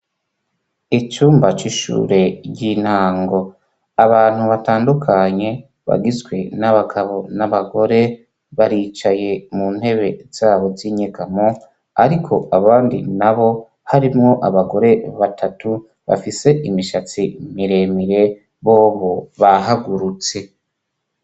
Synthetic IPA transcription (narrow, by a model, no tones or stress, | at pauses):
it͡ʃuːmbat͡ʃiʃṵːɾe̞ɟiːn̥haːŋɡo̞ | aβaːn̥huβataːndukʰaɲe̞ | βa̰ɡizɡwe̞naβaɡaβo̞naβaɡo̞ɾe̞ | βaɾiːt͡ʃaje̞muːn̥he̞βe̞z̥aːβo̞ziɲekamo | aɾikʰo̞aβaːndḭnaβo̞ | haɾimŋo̞ʔaβaɡo̞ɾe̞βatʰatu | βa̰fise̞ʔimiʃat͡simiɾe̞miɾe̞ | βo̞ːβoβaɦaɡuɾut͡se̞